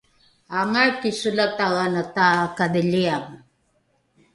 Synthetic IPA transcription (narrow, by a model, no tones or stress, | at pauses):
aŋaɻkisʊlat̪aɣanat̪akaðɪʎiam